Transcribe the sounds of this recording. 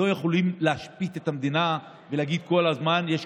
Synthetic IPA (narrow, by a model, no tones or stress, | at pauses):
o̞jeχolimleaʃpit̪et̪amd̪ina | veleaɡid̪̚ko̞lazmanjeʃ